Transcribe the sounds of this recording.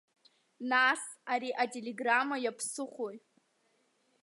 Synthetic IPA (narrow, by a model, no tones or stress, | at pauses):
nas | aɾiʔatʲʼeleɡramajapʰsɨχʷoj